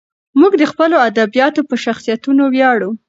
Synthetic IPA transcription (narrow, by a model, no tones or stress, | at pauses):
muɡd̪əxpəload̪abijɑt̪opəʃaxsijat̪unowjɑɽu